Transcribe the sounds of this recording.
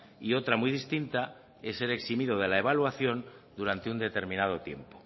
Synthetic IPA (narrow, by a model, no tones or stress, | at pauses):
io̞t̪ɾamwiðist̪int̪a | esːe̞ɾe̞ksimiðo̞ð̞e̞lae̞βalwaθjo̞nd̪uɾant̪eund̪e̞t̪e̞ɾmĩnað̞o̞t̪je̞̰mpo